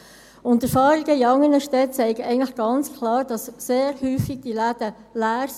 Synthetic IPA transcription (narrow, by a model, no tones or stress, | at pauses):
ʊntːɛfɑːɾiɡəiɑŋːənəʃtɛt̚t͡sɛɪɡəɛɪəŋləχɡ̥ɑnt͡skʰlɑːɾd̥ɑsːeːɾhyːfiɡ̥̚d̥ilæd̥ə | læːɾs